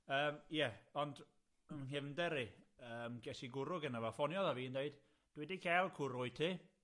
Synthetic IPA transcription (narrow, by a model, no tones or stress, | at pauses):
əːmjɛɔnd | əmnɦɪvndɛɾiəːmɡɛsiɡʊɾʊɡənavafɔnjɔðaviːəndeɨd̥ | d̥wɛdikʰalˠkʰʊɾʊɨtʰiː